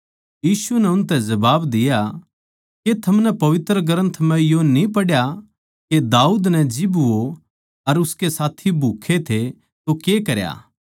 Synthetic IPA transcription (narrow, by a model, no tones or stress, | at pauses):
jiːsunɛʊnt̪ɛ̃zɐbaːbd̪ɪja | ket̪ʰɐmnɛpɐʋɪt̪ɾəɡɐɾə̃nt̪ʰmɛ̃jonĩpɐɽja | ked̪aːuːd̪nɛ̃d͡ʒɪbo | ɐɾʊskesaːt̪ʰibʱuːkʰet̪ʰe | t̪okekɐɾja̰ː